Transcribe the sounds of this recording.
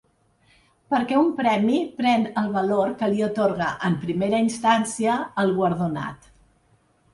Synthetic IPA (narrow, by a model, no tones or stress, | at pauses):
pəɾkɛumpɾɛmipɾɛnəlˠβəloɾkəliət̪oɾɣəʔəmpɾimeɾəinst̪ansiəːlˠɣwəɾðuna̰t̪